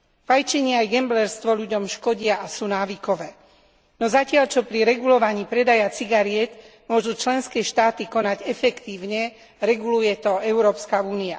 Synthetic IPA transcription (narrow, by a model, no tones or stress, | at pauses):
fajt͡ʃɛɲɛajɡɛmblɛɾst̪ʋɔʎuɟɔmʃkɔɟɪaasuːnaːʋikɔʋɛː | nɔzacɪaʎt͡ʃɔpɾiɾɛɡulɔʋaɲiːpɾɛd̪ajat͡siɡaɾɪɛt̪ | mʊɔʒut͡ʃlɛnskɛːʃt̪aːt̪ikɔnaɟɛfɛkt̪iːʊɲɛ | ɾɛɡulujɛt̪ɔɛʊɾɔːpskauːnia̰